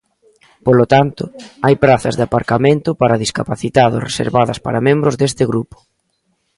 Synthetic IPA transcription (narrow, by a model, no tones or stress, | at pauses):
polot̪ant̪ʊajpɾaθɐzðapaɾkamẽnt̪ʊpaɾɐðiskapaθit̪aðʊ̰sresḛɾβaðɐspa̰ɾɐmẽmbɾʊzðest̪ɪɣɾupʊ̥